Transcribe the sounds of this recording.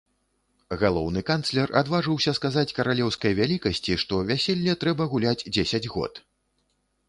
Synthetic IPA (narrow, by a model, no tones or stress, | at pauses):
ɣalˠɔwnɨkanslʲɛra̰d̪vaʐɨwsʲɐskazat͡sʲkɐɾalʲɛwskɐjvʲalʲikɐsʲt͡sʲiʂt̪ɔvʲasʲelʲːɐt̪ɾɛbɐɣulʲad͡zʲd͡zʲesʲɐd͡zʲɣɔ̰t̪